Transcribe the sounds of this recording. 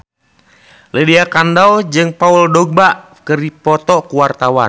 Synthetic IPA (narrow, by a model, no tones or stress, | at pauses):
lidiakandawd͡ʒɨŋpauldɔɡ̚baʔ | kəɾipɔt̪ɔkuwart̪awa̰